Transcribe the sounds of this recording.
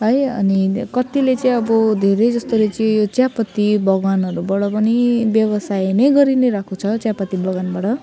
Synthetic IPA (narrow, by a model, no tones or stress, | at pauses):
ɦʌjʌ̰nikʌt̪ilet͡sʌĩʌbʌd̪ʱeɾejd͡zʌst̪olet͡sĩjot͡sjapʌt̪ːibʌɡanɦʌɾubʌɽʌpʌnibjʌbʌsajnʌjɡʌɾinejɾakʰut͡sʰʌt͡sjapʌt̪ːibʱʌɡanbaɽʌ